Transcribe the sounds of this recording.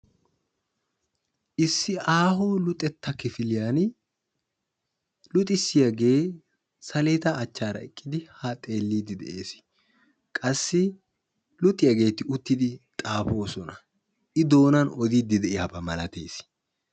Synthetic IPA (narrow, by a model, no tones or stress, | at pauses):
ʔɪsːɪʔaːɦoːlʊt̪ʼɛt̪ːɐkɪfɪlɪjaːn | lʊt̪ʼɪsːɪjɐɡe̞ː | sɐleːt̪ɐːt͡ʃːaːɾɐ̰ɛkʼːɪd̪ɪhat̪ʼe̞ːlːiːd̪ɪd̪ɛ̰ʔe̞ːs | kʼɐsːɪ | lʊt̪ʼːɪjɐɡe̞ːt̪ɪʊt̪ːɪd̪ɪt̪ʼaːfo̞ːsɔnɐ | ʔɪd̪o̞ːnɐnɔd̪iːd̪ɪd̪ɛʔɪjaːbɐmɐlɐt̪e̞ːs